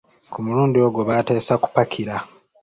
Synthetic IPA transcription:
kumuɾuːndioɡoβate̞ːsaku̥pakʲʰiɾa

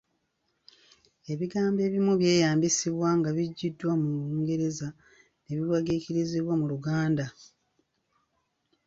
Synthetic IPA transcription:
e̞βiɡaːmbe̞ːβimuβje̞ːjaːmbisiβwaŋɡaβiɟːidːwamuuːŋɡe̞ɾe̞za | ne̞βiwaɡiciɾiziβwamuluɡaːnda

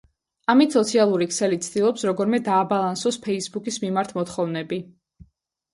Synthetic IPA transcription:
amit̪sɔt̪sʰialˠuɾikʰsɛlit̪sʰd̪̥ilˠɔpsɾɔɡɔɾmɛd̪aːbalˠansɔspʰɛisbukʰismimaɾt̪ʰmɔt̪χɔvnɛbi

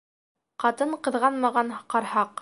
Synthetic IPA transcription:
qɑt̪ɤɴqɤ̆ðʁɑnmɑʁɑɴqɑɾhɑq

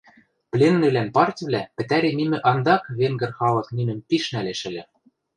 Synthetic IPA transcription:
plʲenːɘ̆lænpɑrt̪ʲβlʲæpɘ̆t̪æɾemʲimɘ̆ʔɑnd̪ɑkβeŋɡɘ̆rxɑlˠɤ̆kninɘ̆mpiʃnæleʃɘ̆lʲɘ̆

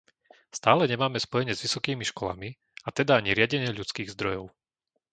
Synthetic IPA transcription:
st̪aːlɛɲɛmaːmɛspɔjɛɲɪɛzʋisɔkiːmiʃkɔla̰mi | at̪ɛd̪aaɲiɾɪaɟɛɲɪɛʎut͡skiːɣzd̪ɾɔjɔʊ

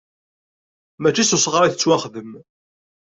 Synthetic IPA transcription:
mæt͡ʃːisʊsˤʁɾˤiθət͡sːwaχðəm

